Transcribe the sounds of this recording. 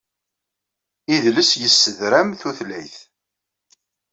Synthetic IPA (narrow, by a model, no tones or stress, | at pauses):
iðləsjəsːəðɾæmθuθlæjθ